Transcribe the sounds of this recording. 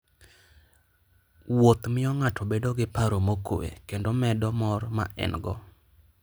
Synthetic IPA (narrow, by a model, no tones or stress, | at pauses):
wot̪mɪɔŋatʰɔbedoɡɪpaɾomoko̰wḛkendomɛdɔmɔrma̰ʔɛ̰nɡɔ̰